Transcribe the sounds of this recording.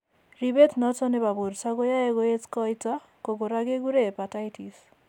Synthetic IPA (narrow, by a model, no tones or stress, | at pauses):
ɾibetnɔtɔnebaboɾsaɡojaɛɡoet͡skɔjt͡sa | koɡoɾaɡeɡuɾepatajtʰis